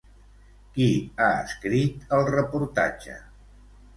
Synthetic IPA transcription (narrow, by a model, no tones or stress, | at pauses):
kiaə̰skɾit̪əlˠrəpuɾt̪a̰d͡ʒə̰